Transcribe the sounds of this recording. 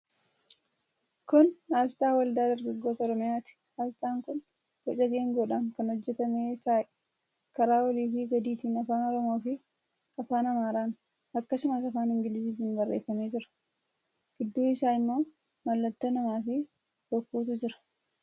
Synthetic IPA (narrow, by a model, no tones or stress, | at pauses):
kʊnaːst̪aːwɐld̪aːd̪ɐɾɡɐɡːo̞ːt̪ɐɔɾɔmɪjaːt̪ɪ̥ | aːst̪aːŋkʊn | fɛᶑɐɡeːŋɡoːᶑaːŋkɐnhɔd͡ʒːɛt̪ɐmeːt̪aːʔɛ̥ | kɐɾaːwɐliːfɪɡɐd̪iːt̪iːnɐfaːnɔɾɔmo̞ːfɪ | ɐfaːnɐmaːɾaːn | ɐkːɐsʊmaːsɐfaːnhɪŋɡɪlɪsiːt̪iːnbɐrːḛːfːɐmeːd͡ʒɪɾɐ̥ | ɡ̥ɪd̪ːuːɪsaːɪmːo̞ː | mɐlːɐt̪ːonɐmaːfɪ | dɔkːuːt̪ʊd͡ʒɪɾɐ̥